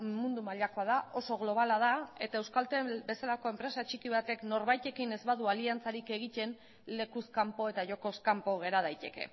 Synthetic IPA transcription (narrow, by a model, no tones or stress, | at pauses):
mund̪umaʎako̞að̞ao̞so̞ɣlo̞β̞alað̞ae̞t̪ae̞wskalt̪ebe̞salako̞e̞mpɾe̞sat͡ʃikiβ̞at̪e̞kno̞ɾβajt̪e̞kine̞zβaðualiant͡saɾike̞ɣ̞it̪e̞n | le̞kuskampo̞e̞t̪aʝo̞ko̞skampo̞ɣ̞e̞ɾað̞ajt̪e̞ke̞̰